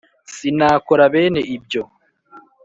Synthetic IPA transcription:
sinaːkoɾaβe̞ːne̞ʔib̚ɟo̞

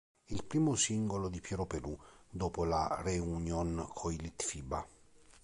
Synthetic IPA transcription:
ilpɾiːmosiŋɡolod̪ipjɛɾopelud̪oːpolareunjonkʰoilit̪fiba̰

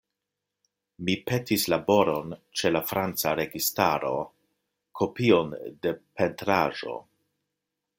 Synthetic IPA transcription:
mipe̞tislabo̞ɾo̞nt͡ʃe̞lafɾant͡saɾe̞ɡistaɾo̞ | kʰo̞pio̞nde̞pʰe̞ntɾa̰ʒo̞̰

